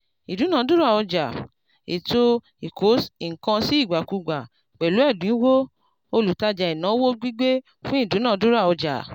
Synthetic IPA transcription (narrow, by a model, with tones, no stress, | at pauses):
i˨du˨˦nã˦˧˦du˦ɾa˦˨ɔ˧d͡ʒa˨ | ḛ˨to˦ | i˨kʰo˨˦si˨ŋ̩˨kã˧si˦i˦˨ɡ͡ba˨ku˧ɡ͡ba˨ | k͡pɛ˨lu˨˦ɛ˦˨dũ˨ĩ˦wo˦ | o˧lu˨ta˧d͡ʒa˧i˨nã˨˦wo˦ɡ͡bi˦ɡ͡be˦ | fũ˦i˦˨du˨˦nã˦˨˧du˦ɾa˦˨ɔ˧d͡ʒa̰˨